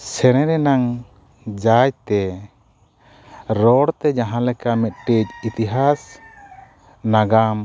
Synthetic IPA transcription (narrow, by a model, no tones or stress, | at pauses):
sɛɾ̃ɛ̃ɾɛnaŋ | d͡ʒajt̪ɛ | ɾɔɽt̪ɛd͡ʒaɦãlɛkamɛt̪̚ʈec̚it̪iɦas | naɡam